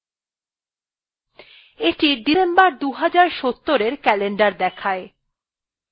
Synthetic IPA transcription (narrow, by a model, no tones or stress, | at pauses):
eʈiɖisembaɾd̪uɦad͡ʑaɾʃot̪ːoɾeɾkɛleɳɖaɾd̪ɛkʰae